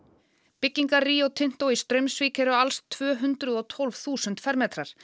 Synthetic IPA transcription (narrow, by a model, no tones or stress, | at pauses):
pɪcːiŋkaɾriːowt̪ʰɪn̥t̪owist̪ɾœɥmsviːcɛɾʏalst̪ʰːv̥œːɦʏnt̪ɾʏðɔt̪ʰɔlvθuːsʏnt̪fɛɾmɛːt̪ɾaɾ̥